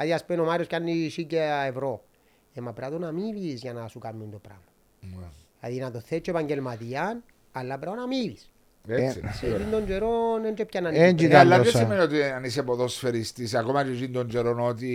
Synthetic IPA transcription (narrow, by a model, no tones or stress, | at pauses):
aðiaspenomaɾioscanːisiceevɾo | emːapɾat̪onamivizʝanasukamːund̪opɾa̰ma | la̰ðinat̪oθet͡ʃːoepaɲɟelmat̪iɐn | alːapɾaonamilis | esḭsed͡ʒind̪ond͡ʒeɾonend͡ʒepcanːaned͡ʒialːajosimeniot̪ianis̬epoðosfeɾist̪isakomat͡ʃed͡ʒind̪ond͡ʒeɾonot̪̬i